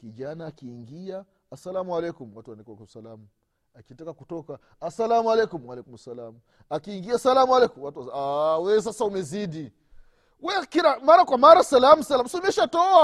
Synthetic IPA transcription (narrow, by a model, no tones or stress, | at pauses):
kid͡ʒanaːkiːŋɡia | asalamualɛkumwatuwandikwakum̩salamu | akitakakutɔka | asalamualɛkumwalɛkumsalamu | akiːŋɡiasalamualɛkumwatuawɛs̬asaumɛzidi | wɛkiɾamaɾakwamaɾasalamusalamusiumɛʃatɔa